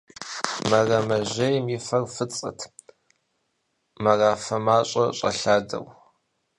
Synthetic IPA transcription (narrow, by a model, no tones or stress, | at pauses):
mɐrɐmɐʑɐjmifɐrfɨt͡sʼɐ̰tʰ | mɐraːfɐmaːɕʼɐɕʼɐ̰ɬaːdɐ̰w